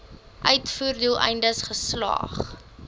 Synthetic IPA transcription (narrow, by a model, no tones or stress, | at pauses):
ʔœɥtfuːrdulˠʔɛ̰jndəsχəslɑ̰ːχ